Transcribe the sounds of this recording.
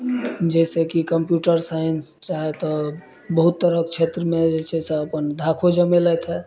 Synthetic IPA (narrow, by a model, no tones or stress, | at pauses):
d͡ʒɛsekikəmpjuʈəɾsajənst͡ʃaɦɛt̪ɔ | bəɦut̪ːəɾəkt͡ʃʰet̪ɾəmed͡ʒɛsɛseəpənd̪ʱakʰod͡ʒəmelɛt̪ɦɛ